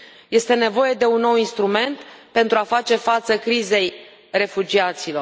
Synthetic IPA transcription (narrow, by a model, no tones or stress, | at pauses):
je̞st̪e̞ne̞vo̞je̞d̪e̞unːo̞winst̪ɾume̞nt̪pe̞nt̪ɾuafat͡ʃe̞fat̪səkɾize̞j | re̞fud͡ʒiat̪silo̞r